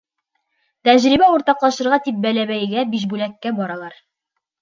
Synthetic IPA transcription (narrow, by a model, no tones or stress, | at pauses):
t̪æʑɾibæuɾt̪ɑqlˠɑʃɤ̆ɾʁɑt̪ip̚bælæβæjɡæbiʃ̬bʉlækːæbɒɾɑlˠɑɾ